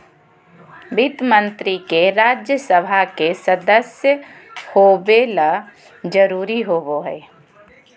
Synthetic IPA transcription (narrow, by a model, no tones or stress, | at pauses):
bit̪mə̃nt̪ɾikeɾaːd͡ʒjəsəbʱakesəd̪əsjə | hoːbeːla | d͡ʒəɾuːɾiɦoboɦɛː